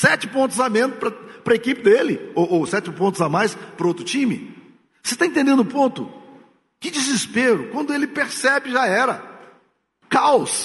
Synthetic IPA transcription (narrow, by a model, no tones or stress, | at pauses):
sɛt͡ʃɪpõnt̪ʊzamẽnʊpɾɐpɾɐekipɪd̪elɪowʔowsɛt͡ʃɪpõt̪ʊzamajspɾɐowt̪ɾʊt͡ʃĩmɪ̰ | se̥t̪aẽt̪ẽnd̪ẽd̪ʊʊpõnt̪ʊ | kɪd͡ʒizɪspeɾʊkwɐ̃nd̪ʊelɪpeɾsɛbɪʒaɛɾɐ | kaws